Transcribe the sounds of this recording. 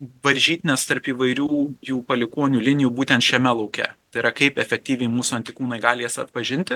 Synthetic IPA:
ʋɐɾʲʒʲiːt̪ʲnʲɛst̪ɐɾpiːʋɐɪɾʲuːjuːpɐlʲɪkoːnʲuːlʲɪnʲɪjuːbuːt̪ʲɛnt̪ʃʲɛmʲɛlˠɐʊkʲɛ̰t̪ɐɪɾɐkɐɪpɛfʲɛk̚t̪ʲiːʋʲɛɪmuːsʊɐnʲt̪ʲɪkuːnɐɪɡɑːlʲɪjɛsɐt̪pɐʒʲɪnʲt̪ʲɪ

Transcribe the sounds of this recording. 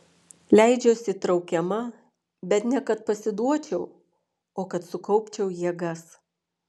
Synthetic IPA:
lʲæˑɪd͡ʒʲoːsʲɪt̪ɾɒʊkʲɛmɐ | bʲɛt̪nʲɛkɐt̪̚pɐsʲɪd̪uɔt͡ʃʲɛʊ | oːkɐt̪sʊkɔʊpʲt͡ʃʲɛʊjiɛɡɐs

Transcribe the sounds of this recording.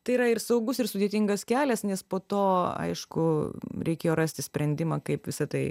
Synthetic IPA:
t̪ɐɪiɾɐɪrsɐʊɡʊsɪrsʊd̪ʲeːt̪ʲɪŋɡɐskʲæːlʲɛsnʲɛspoːt̪oːɐ̰ɪʃkʊɾʲɛɪkʲeːjoːɾɑsʲt̪ʲɪsʲpʲɾʲɛnʲd̪ʲɪmɑːkɐɪpʋʲɪsɐt̪ɐɪ

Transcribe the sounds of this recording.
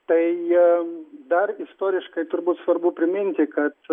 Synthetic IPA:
t̪ɐɪ | d̪ɐrɪst̪oːɾʲɪʃkɐɪt̪ʊɾbuːt̪sʋɐɾbʊpʲɾʲɪmʲɪnʲt̪ʲɪkɐt̪

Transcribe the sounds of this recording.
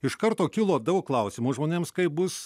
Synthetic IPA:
ɪʃkɐɾt̪oːkʲɪlˠoːd̪ɐʊklˠɐʊsʲɪmuːʒmoːnʲeːmskɐɪbʊs

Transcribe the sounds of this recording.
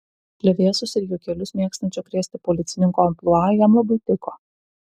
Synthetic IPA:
pʲlʲɛʋʲeɛsʊsɪɾʲjʊkʲɛlʲʊsmʲeɛkst̪ɐnʲt͡ʃʲɔkɾʲeːsʲt̪ʲɪpɔlʲɪt̪sʲɪnʲɪŋkoɐmplˠuɑːjɛmlˠɐbɐt̪ʲɪko

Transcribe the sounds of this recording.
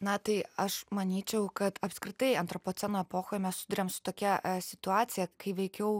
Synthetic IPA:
nɐt̪ɐɪɐʃmɐnʲiːt͡ʃʲɛʊkɐt̪ɐpʲskɾʲɪt̪ɐɪɐnt̪ɾopoːt̪sʲɛnoɛpoːxoːjmʲɛssʲʊd̪ʊɾʲeːmsʊ̥t̪oːkʲɛsʲɪt̪ʊɑːt̪sʲɪjɛkɐɪʋʲɛɪkʲɛʊ

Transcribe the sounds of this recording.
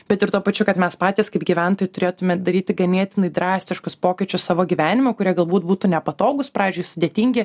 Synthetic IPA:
bʲɛt̪ɪɾt̪uɔpɐt͡ʃʲʊkɐt̪mʲɛspɑːt̪ʲiːskɐɪpɡʲiʋʲɛnt̪oːjʊt̪ʊɾʲeːt̪ʊmʲɛd̪ɐɾʲiːt̪ʲɪɡɐnʲeɛt̪ʲɪnɐɪd̪ɾɑːsʲt̪ʲɪʃkʊspoːkʲɪt͡ʃʲʊssɑːʋoːɡʲiʋʲæːnʲɪmʲokʊɾʲiɛɡɐlˠbuːt̪̚buːt̪ʊnʲɛpɐt̪oːɡʊspɾɑːʋʲɪːzʲd͡ʒʲʊɪsʊd̪ʲeːt̪ʲiːŋʲɡʲɪ

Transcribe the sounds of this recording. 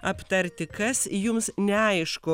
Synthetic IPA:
ɐpt̪ɐɾʲt̪ʲɪkɐsjʊmsnʲɛɐɪʃkʊ

